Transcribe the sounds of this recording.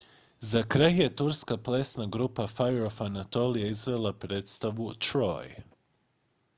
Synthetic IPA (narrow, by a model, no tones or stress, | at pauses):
zakɾajje̞t̪uɾskaplesnaɡɾupafajɾofanat̪o̞lijaizʋe̞lˠapɾe̞ːt̪st̪aʋut̪ɾo̰j